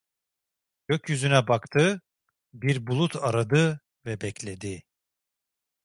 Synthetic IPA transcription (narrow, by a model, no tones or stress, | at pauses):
ɟ̥øcjyzynɛbakt̪ʰɯ | biɾbulˠut̪ʰaɾad̪ɯ | vɛbɛclʲed̪i